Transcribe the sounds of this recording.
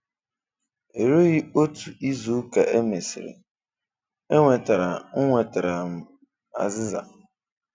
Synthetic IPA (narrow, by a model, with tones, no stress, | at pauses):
e˨ɾo˦ɣɪ˦o˦tu˨i˦zu˦ka˨ʔe˦me˨sɪ̰˨ɾḛ˨ | e˦ŋʷe˨ta˨ɾa˨ŋ̩˦ŋʷe˨ta˨ɾa˨m̩˦ | a̰˨zɪ˦za̰˨